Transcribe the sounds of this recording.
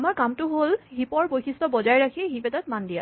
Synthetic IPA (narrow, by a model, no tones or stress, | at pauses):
amaɹkamtʊɦolɦipɔɹbojxʰistɔbɔzajɹakʰiɦipɛtat̚mandija̰